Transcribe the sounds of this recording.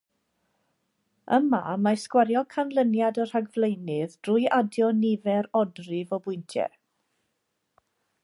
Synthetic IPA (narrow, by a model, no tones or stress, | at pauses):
əma̰maskwaɾjɔkʰanlˠənjadɔr̥aɡvlejnɪðd̥rʊːjʔadjɔnɪvɛɾɔdrɪvɔbʊjntʰjɛ̰